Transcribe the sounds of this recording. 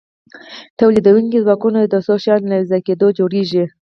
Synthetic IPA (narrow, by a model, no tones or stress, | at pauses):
t̪awlid̪awuŋkizwɑkunad̪əsoʃjɑlnazaked̪od͡ʒoɽiʒi